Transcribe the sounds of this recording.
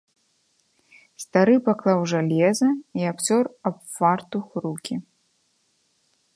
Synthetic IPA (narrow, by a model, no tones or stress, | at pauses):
st̪aɾɨpaklˠawʐalʲɛzɐiapt͡sʲɔrapfart̪uxɾukʲi